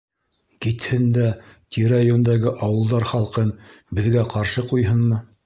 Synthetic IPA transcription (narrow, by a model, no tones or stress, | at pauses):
kit̪hɘnd̪æt̪ʲiɾajond̪æɡɘʔɑwɤ̆lˠd̪ɑɾχɑlˠqɤnbɘ̆ðɡæqɑɾʃɤqujɦɤnmɤ